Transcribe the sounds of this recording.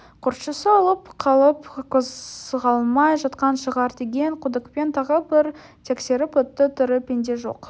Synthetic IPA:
qʰʊɾt̪ʃəsəɑlˠəpqʰɑlˠəpkʲʰɵzʁɑlˠmɑjʒɑt̪qɑnʃəʁɑɾd̪e̞ɡʲe̞ŋqʰʊd̪əkpe̞nt̪ʰɑʁəbɪɾ | t̪ʰe̞kse̞ɾɪpɵt̪ːɪt̪ʰʏɾɪpʲe̞nd̪e̞ʒo̞̰q

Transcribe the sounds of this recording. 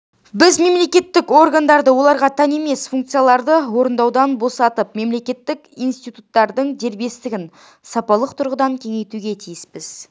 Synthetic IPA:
bɪzme̞mle̞kʲe̞t̪ːɪko̞rɡand̪ɑɾd̪əwo̞lˠɑɾʁɑt̪ʰɑne̞me̞sfuŋk̚t̪sɨjalˠɑɾd̪əwo̞ɾənd̪ɑwd̪ɑnbo̞sɑt̪əp̚me̞mle̞kʲe̞t̪ːɪkḭjnst̪ijt̪ut̪ːɑɾd̪əɴd̪e̞ɾbe̞st̪ɪɡʲɪn | sɑpɑlˠəqt̪ʰʊɾʁəd̪ɑŋkʲʰe̞ŋe̞jt̪uɡʲe̞t̪ʰijɪspɪz̥

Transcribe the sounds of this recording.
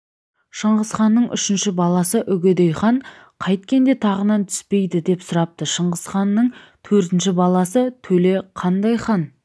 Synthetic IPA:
ʃəɴʁəzχɑnːəɴʔʏ̰ʃɪnʃɪbɑlˠɑsəʔʏɡʲed̪ejχɑɴ | qʰɑjt̪̚kʲe̞nd̪e̞t̪ʰɑʁənɑnt̪ʰʏ̥spe̞jd̪ɪd̪e̞psʊɾɑp̚t̪əʃəɴʁəzχɑnːəɴt̪ʰɵɾt̪ɪnʃɪbɑlˠɑsət̪ʰɵle̞qʰɑnd̪ɑjχɑn

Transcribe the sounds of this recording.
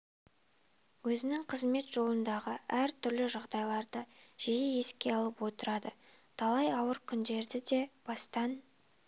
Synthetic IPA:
wɵzɪnɪŋqʰəzme̞t̪ʒ̥o̞lˠənd̪ɑʁəæɾt̪ʰʏɾlɪʒɑʁd̪ɑjlˠɑɾd̪əʒ̥ejeje̞skʲe̞ɑlˠəpwo̞t̪əɾɑd̪ət̪ʰɑlˠɑjɑwəɾkʲʰʏnd̪e̞ɾd̪ɪd̪e̞b̥ɑst̪ɑn

